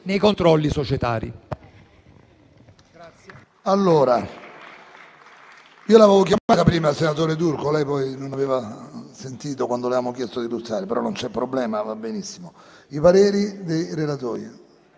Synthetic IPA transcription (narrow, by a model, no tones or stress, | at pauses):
nejkont̪ɾɔlːisot͡ʃɛt̪a̰ːɾḭ | alːoːɾa | iːolavaːvokjaaːt̪apɾiːmalsenat̪̬oːɾet̪urkolɛjpɔjnonaveːvasent̪iːt̪okwand̪olaaːmokjɛst̪od̪ilut̪ːaːɾepeɾɔ̰nːont͡ʃɛpːɾoblɛːmavabːenisːimo | ipaɾeːɾid̪ejɾelat̪oːjḭ